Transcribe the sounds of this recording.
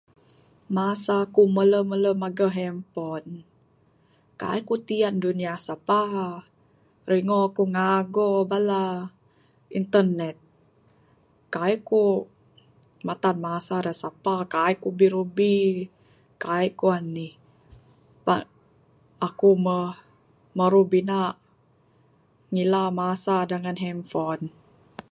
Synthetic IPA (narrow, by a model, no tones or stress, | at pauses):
masakumələmələmaɡəɦɛmpɔn | ka̰ikut̪ianduniasapaɦ | riŋoakuŋaɡobala | int̪ərnɛt̪̚ | kaiku | mat̪anmasadasapakaikubiɾubi | kaikuanːi | pa | akumə | məɾubina | ŋilamasadəŋanɦɛmfɔn